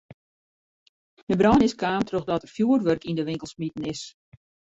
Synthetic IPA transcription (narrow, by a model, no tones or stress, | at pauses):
d̥əbrɔnɪskaːmtʰroxdɔtərfjuːərʋørkindəʋɪŋkəlˠsmitn̩ɪs